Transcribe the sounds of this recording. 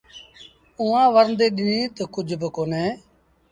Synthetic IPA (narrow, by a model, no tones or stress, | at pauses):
ʊːãːʋəɾnd̪eːɗɪnĩːt̪oːkʊd͡ʒʱbəkoːneː